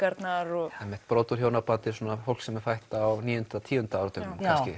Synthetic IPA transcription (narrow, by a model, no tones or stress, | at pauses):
kaɾt̪naɾɔɛmːɪht̪pɾoːt̪ʏɾ̥hjoːwnapant̪ɪs̬ɔːnafowl̥ksɛmɛ̥fajht̪aːwniːʏnt̪at̪ʰiːʏnt̪aawɾt̪ʏmkascɪ